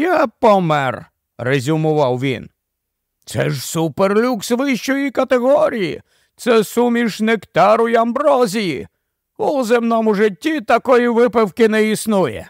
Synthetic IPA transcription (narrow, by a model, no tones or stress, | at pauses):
japɔmɛr | rezʲʊmʊʋɑwʋʲḭn | t̪sɛ̰ʒsuperlʲuksʋɪʃt͡ʃɔjikɐt̪eɣɔɾʲijḭ | t̪sɛsumʲiʃnɪkt̪ɑɾʊjɐmbɾɔzʲijḭ | uzemnɔmʊʒɪtʲːit̪ɐkɔjiʋɪpewkɪnɛisnujɛ̰